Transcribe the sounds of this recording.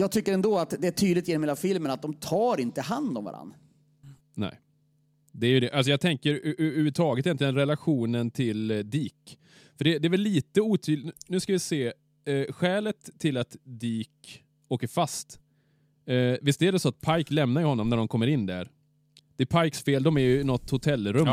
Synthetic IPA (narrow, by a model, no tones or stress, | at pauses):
jɑːɡ̚t̪ʰʏkːəɾɛnd̪oːat̪d̪ɛæʈʰyːd̪lɪt̪jeːnɔmheːlafɪlmənat̪̚d̪ɔmt̪ʰɑːɾɪnt̪əhand̪ɔmva̰ɾʔa̰nː | nɛ̰ɪ | d̪ɛæɾjɵd̪ɛʔalsɔjɑːɡ̚t̪ʰɛŋkəɾʉːvət̪ʰɑːɡət̪ɛjɛnlɪənɾɛlaɧuːnənt̪ʰɪld̪iːk | fœɖɛd̪ɛːvɛlːiːt̪əuːt̪ʰyːd̪nʉskavɪseː | ɧɛːlət̪ʰːɪlat̪d̪iːk | oːkəɾfast̪ | vɪst̪d̪ɛæːd̪ɛsɔat̪̚pʰajklɛmnaɾjɵhɔnːɔmnæɖɔmkʰɔmːəɾɪnːd̪æ̰ɾ | d̪̥ɛpʰajksfeːld̪ɔmæɾjɵɪnɔt̪hʊt̪ʰɛlːɾɵm